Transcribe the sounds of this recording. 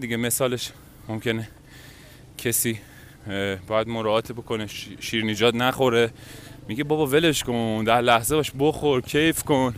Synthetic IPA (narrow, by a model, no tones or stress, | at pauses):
d̪iɟe̞me̞sɒːle̞ʃ | momcʰe̞ne | cʰesiː | bɒjæd̪moɾɒːɒːt̪ʰibo̞kʰo̞neʃiːɾned͡ʒɒːt̪næχo̞ɾe̞miɡebɒbɒve̞le̞ʃkond̪æɾlæhze̞bɒʃboxo̞ɾcʲʰejfkon